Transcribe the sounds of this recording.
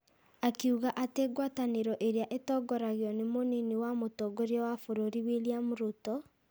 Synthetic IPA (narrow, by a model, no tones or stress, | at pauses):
akeuɣaʔateɡwataneɾɔʔeɾeaʔetɔːɡɔɾaɣeɔnemoneniwamotɔɡoɾeɔwafoɾoɾiweliamoɾotɔ